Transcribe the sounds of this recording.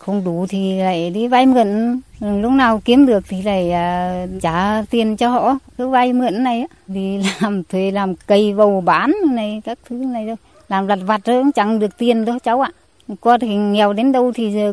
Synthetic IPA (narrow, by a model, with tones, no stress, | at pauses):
xə˧wŋ͡mɗu˨˧˩t̪ʰi˨˩la̰ː˧˨jɗi˧vaː˧jmɨ˧˨ə˨n˨˩ŋlʊ˦˥k͡p̚naː˨˩wki˨˦əmɗɨ˨˩ək̚t̪ʰi˨˩la̰ː˧˨jaː˨˩t͡ɕaː˧˩t̪i˨˩ənt͡ɕɔ˧ɦɔ̰˧˨kəː˨˦vaː˧jmɨ˧˨ənːa˨˩jaː˧˦t̪i˨˩la˨˩mt̪ʰwe˧˩laː˨˩mkə˧˩jvə˨˩wɓaː˧˩nɨ˧na˨˩jkaː˦˥k̚t̪ʰɨ˨˦na˨˩jt̪ʰo˧j | laː˨˩mla˨˩t̚va˨˩t̚zo˧˦ŋ͡mt͡ɕa˨˧˩ŋɗɨ˨˩ək̚t̪i˨˩ənɗo˨˦t͡ɕa˨˦wʔaː˧˨ | kɔ˧t̪ʰi˨˩ŋɛ˨˩wɗe˨˦nɗə˧wt̪ʰi˨˩əː˨˩